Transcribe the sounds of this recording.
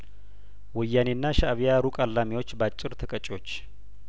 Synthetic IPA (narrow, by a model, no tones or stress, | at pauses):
wɨjːanenːaʃaʔβijaɾukʼalːamiwo̞t͡ʃːbat͡ʃʼːɪɾt̪ʰəkʼət͡ʃʼwo̞t͡ʃː